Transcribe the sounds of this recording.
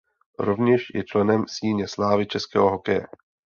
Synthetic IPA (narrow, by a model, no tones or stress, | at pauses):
ɾovɲɛʃjɛ̰t͡ʃlɛnɛmsiːɲɛslaːvɪt͡ʃɛskɛ̰ːɦo̞ɦokɛjɛ̰